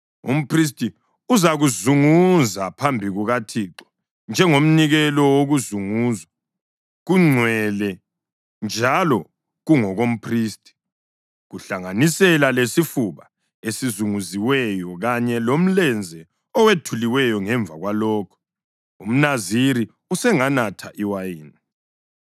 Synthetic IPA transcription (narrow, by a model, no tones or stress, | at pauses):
ṵm̩pʰris̬tʼi | uzaɣuzuŋuzapʰambʱiɣuɣatʰiːǁɔ̥ | nd͡ʒʱɛŋom̩niɣɛlɔwoɣuzuŋuːzwa | ɣuŋ͡ǀʱwɛlɛ | nd͡ʒʱalɔ | ɣuŋɔɣom̩pʰriːstʼi̥ | ɣuɬaŋanisɛlalesifuβa | esizuŋuziwɛjɔɣaɲɛlom̩lɛnd͡zʱɛ | ɔwetʰuliwɛjɔŋɛɱvʱaɣwalɔːkʰɔ̥ | um̩naziɾi | usɛŋanatʰaʔiwajiːni